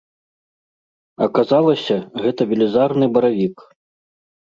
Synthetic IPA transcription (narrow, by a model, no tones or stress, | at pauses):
ɐkazalˠɐsʲɐɣɛt̪ɐvʲilʲɛzarnɨbɐɾavʲik